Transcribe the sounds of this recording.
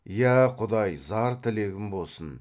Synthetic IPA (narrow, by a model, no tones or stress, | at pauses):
jæqʰʊd̪ɑjzɑɾt̪ʰɪle̞ɡʲɪmbo̞lˠsən